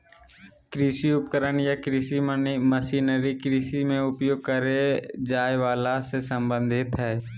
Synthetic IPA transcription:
kɾiːsiʊpkəɾənjakɾiːsimnməsiːnəɾikɾiːsimẽʊpjoːɡ̚kəɾed͡ʒaːeʋaːlasesə̃mbə̃nd̪ʱɪt̪ɦɛː

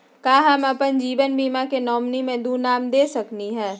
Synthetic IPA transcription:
kaːɦɐmɐpənd͡ʒiːʋənbiːmakenɔːmnimẽd̪uːnaːmd̪eːsɐkniɦɛ̃ː

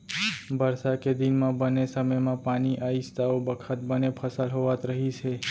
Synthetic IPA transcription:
bəɾsaked̪inmãbənesəməjmãpaniʔaist̪aobəkʰət̪̚bənepʰəsalɦoʋat̪ɾəɦit͡ʃʰe

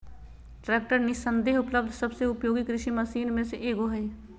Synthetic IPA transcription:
ʈɾɛːk̚ʈəɾnɪsə̃nd̪eːɦʊpləb̚d̪ʱsɐbseʊpjoːɡikɾɪʃimɐsiːnmẽseʔeːɡoɦɐe

